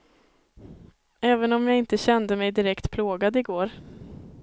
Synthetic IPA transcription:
ɛːvənɔmjaːɪnt̪əɕɛnd̪əmɛjd̪ɪɾɛkt̪pʰloːɡad̪ɪɡoːɾ

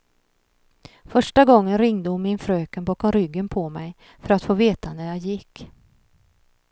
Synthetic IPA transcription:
fœʂʈaɡɔŋːənɾɪŋd̪əhʊnmɪnfɾøːkənbɑːkɔmɾʏɡːənpʰɔmɛj | fœɾat̪foːveːt̪anæɾjɑːɡjɪkː

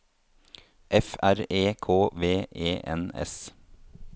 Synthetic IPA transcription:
ʔɛfæɾeːkʰoːʋeːʔeːʔɛ̰nɛ̰s

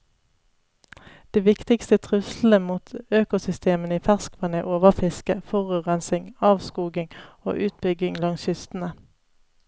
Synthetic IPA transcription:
d̪̥eːʋɪkt̪ɪkst̪ət̪ʰʁʉsl̩əmuːt̪øːkʊsʏst̪eːmənəiːfæʁskʰʋɑneːʔoːʋəʁfɪskəfɔʁʉːʁɛnsɪŋɑːʋskuːɡɪŋo̰ːʔʉːt̪̚bʏɡɪŋlɑŋsʏst̪n̩ə

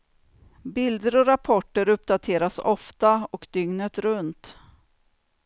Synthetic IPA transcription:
bɪld̪əɾɔɾapʰɔʈːəɾɵpːd̪at̪ʰeːɾasɔft̪aɔkd̪ʏŋnət̪ɾɵnt̪

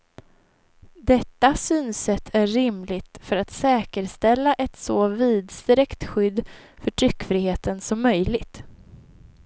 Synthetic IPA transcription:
d̪ɛt̪ːasyːnsɛt̪ʰæːɪmlɪt̪fœɾat̪sɛːkəɾst̪ɛlːaʔɛt̪soːviːd̪st̪ɾɛkt̪ɧʏd̪ːfœʈʰɾʏkːfɾɪheːt̪ənsɔmːœjlɪɡt̪

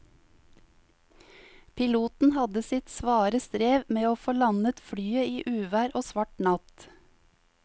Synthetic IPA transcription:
pʰɪluːt̪n̩hɑd̪əsɪt̪sʋɑːɾəst̪ɾeːʋmeːoːfoːlɑnət̪fɽyːəiːʔʉːʋæːɾʔoːsʋɑʈnɑt̪

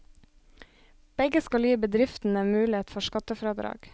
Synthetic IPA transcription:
b̥ɛɡəskɑljiːbəd̪ɾɪft̪n̩eːnmʉːlɪeːt̪fɔʃkɑt̪əfɾɑːd̪ɾɑ̰ːɡ̥

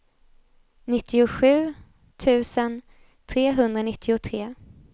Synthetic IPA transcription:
nɪt̪ʰːɪʊɧʉ̟ː | t̪ʰʉ̟ːsən | t̪ʰɾeːɦɵnd̪ɾanɪt̪ʰːɪʊt̪ʰɾeː

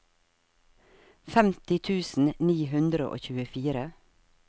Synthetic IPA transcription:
fɛmt̪ɪt̪ʰʉːsn̩niːɦʉnd̪ɾəʔo̰ːçʉːəfiːɾə

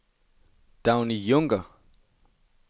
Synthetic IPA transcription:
d̥ãwnijoŋɡə

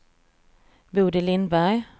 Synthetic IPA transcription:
buːɖɛlɪnd̪bæɾj

